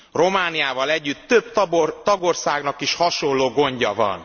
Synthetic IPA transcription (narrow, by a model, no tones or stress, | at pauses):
ro̞maːnijaːvɒlɛɟːyt̪ːøbt̪t̪ɒɡo̞rsaːɡnɒkiʃhɒʃolːoːɡo̞ɲɟɒvɒ̰n